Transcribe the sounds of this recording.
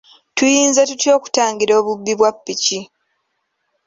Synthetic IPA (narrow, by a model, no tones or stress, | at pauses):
tujiːnzatutjo̞ːku̥taːŋɡiɾo̞ːβubːiβwapːici